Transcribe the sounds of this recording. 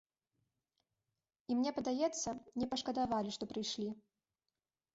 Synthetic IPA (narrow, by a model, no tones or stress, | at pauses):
imnʲɛpɐd̪ajɛt̪sːɐnʲɛpɐʂkɐd̪avalʲiʂt̪ɔpɾɨjʂlʲi